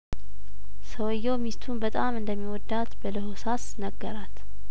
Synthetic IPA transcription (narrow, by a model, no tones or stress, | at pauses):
səwɔjːɛwmist̪ʰunbət̪ʼamɨnd̪əmːiwɔd̪ːat̪bələɦosasnəɡːəɾat̪